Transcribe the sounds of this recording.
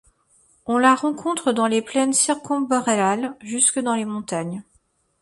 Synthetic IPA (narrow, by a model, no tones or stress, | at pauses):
ɔ̃laʁɑ̃kʰɔ̃t̪χəd̪ɑ̃leplɛnsiʁkɔ̃bɔʁealʒyskəd̪ɑ̃lemɔ̃t̪aɲ